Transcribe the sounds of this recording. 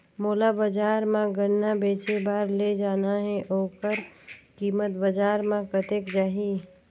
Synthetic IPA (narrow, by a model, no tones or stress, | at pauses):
moːlabəd͡ʒaːɾmãɡənːabeːt͡ʃebaːɾled͡ʒaːnaɦɛ̃ʔoːkəɾkiːmət̪bəd͡ʒaːɾmãkət̪eːkd͡ʒaːɦi